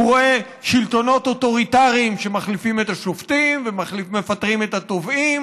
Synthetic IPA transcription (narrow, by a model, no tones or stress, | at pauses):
ʁoe | ʃilt̪o̞no̞toto̞ʁitaʁiimʃe̞maχlifime̞taʃoftimvemaimefatʁimet̪hat̪o̞vim